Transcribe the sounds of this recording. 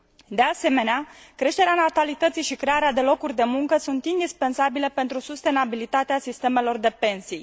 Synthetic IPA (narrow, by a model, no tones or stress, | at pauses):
d̪e̞ase̞me̞neakɾe̞ʃt̪e̞ɾeanat̪alit̪ət̪sijʃikɾe̞aɾead̪e̞lo̞kurʲd̪e̞muŋkəsunt̪ind̪ispe̞nsabile̞pe̞nt̪ɾusust̪e̞nabilit̪at̪easist̪e̞me̞lo̞rd̪e̞pe̞nsij